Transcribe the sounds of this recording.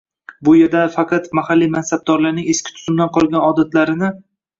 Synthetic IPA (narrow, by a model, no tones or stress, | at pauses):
bʊjeɾd̪afɑqʰɑt̪mahalːimansab̚d̪ɒɾlaɾnɪŋeskʲɪ̥t̪ʰʊ̥z̥ʊmd̪anqʰɒlˠɡʲanɒd̪at̪laɾɪnɪ